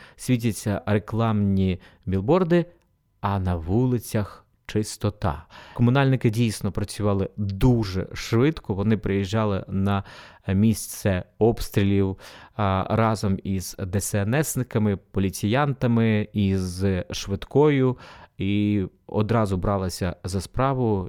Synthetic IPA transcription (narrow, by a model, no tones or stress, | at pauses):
sʲʋʲit̬ʲɐt͡sʲːɐɾeklˠɑmnʲi | bʲilˠbɔrd̪ɪ | ɐnɐʋulˠɪt͡sʲɐx | t͡ʃɪst̪ɔt̪ɑ̰kɔmʊnɑlʲnɪkɪdʲijsnɔpɾɐt͡sʲʊʋɑlˠɪd̪uʒɛ̰ʃʋɪt̪kɔʋɔnɪpɾɪjiʒːɑlˠɪ̰nɐmʲisʲt̪sɛɔpst̪ɾʲilʲiw | rɑzɔmizd̪ɛsɛnɛsnɪkɐmɪpɔlʲit͡sʲijɑnt̪ɐmɪizʃʋɪd̪kɔjʊiɔ̰d̪ɾɑzʊbɾɑlˠɪsʲɐzɐspɾɑʋʊ